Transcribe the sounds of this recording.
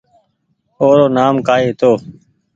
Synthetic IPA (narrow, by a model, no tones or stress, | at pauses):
oːɾoːnaːmkaːeːt̪oː